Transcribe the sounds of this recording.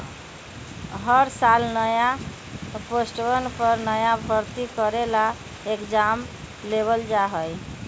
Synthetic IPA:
ɦəɾsalnəja | posʈɾənpəɾnəjabʱəɾt̪ikəɾela | ekd͡ʒam | leβəld͡ʒaɦəj

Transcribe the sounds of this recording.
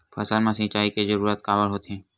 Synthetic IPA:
pʰɐsəlmãsɪ̃t͡ʃaːikezəɾuːɾət̪kaːʋəlɦoːt̪ɛ̃ː

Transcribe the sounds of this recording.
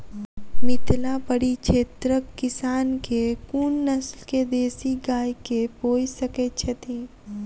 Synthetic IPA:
mɪt̪lãpəɽit͡ʃʰeːt̪ɾəkːɪsaːnkekuːnːɐslked̪eːsiɡaːjkepoːisɐket͡ʃʰɛt̪ʰĩ

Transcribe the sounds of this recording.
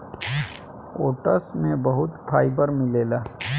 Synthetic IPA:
o̰ːʈəsmẽbɐɦʊt̪pʰaːipəɾmɪleːlaː

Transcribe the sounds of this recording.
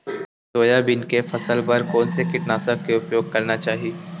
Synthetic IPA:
soːjabɪnkefɐsəlbɐɾkɔːnsekɪʈnaːsəkeʊpjoːɡ̚kɐɾnat͡ʃaːɦieː

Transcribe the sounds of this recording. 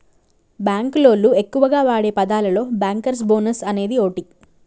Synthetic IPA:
baːŋklo̞ːlue̞kːuʋɐɡaːʋaːɽe̞ːpɐd̪aːlɐlo̞ːbaːŋkɐɾs̬bo̞ːnɐsɐne̞ːd̪io̞ːʈi

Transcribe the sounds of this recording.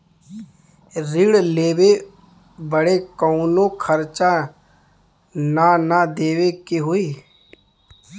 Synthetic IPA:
ɾiɽleːwe | bəɽekɔʊnõkʰəɾt͡ʃa | nanad̪eːʋekeɦoiː

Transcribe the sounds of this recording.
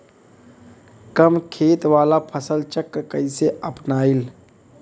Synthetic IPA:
kəmkʰeːt̪ʋaːlapʰəsəlt͡ʃəkːkəɪseʔəpnaːil

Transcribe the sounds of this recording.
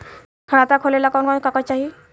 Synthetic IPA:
kʰaɽat̪akʰolɛlakɔnkɔnkakɔt͡ʃaɦi

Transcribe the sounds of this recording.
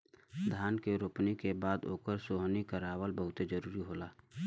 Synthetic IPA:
d̪ʱjaːnkeɾʊpnikebaːd̪oːkəɾsoːɦnikaɾaːwəlbəɦʊt̪ed͡ʒəɾuːɾiɦoːlaː

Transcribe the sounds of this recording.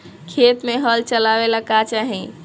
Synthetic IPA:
kʰet̪meɦəlt͡ʃəlaʋelakat͡ʃaɦĩ

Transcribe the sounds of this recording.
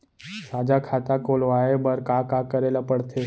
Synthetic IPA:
saːd͡ʒakʰaːt̪akoːlʋaːebəɾkakakəɾelapəɽt̪ʰe

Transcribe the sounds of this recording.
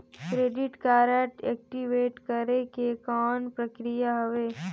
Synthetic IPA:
kɾeːɖɪʈkaːɾəʈeːk̚ʈiʋeːʈkəɾekekɔːnpɾəkɾijaɦɐʋeː

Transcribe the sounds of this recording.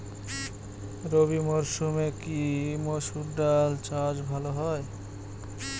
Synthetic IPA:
ɾobimoɾʃumekimoʃuɾɖalt͡ɕad͡ʑbʱaloɦɔe

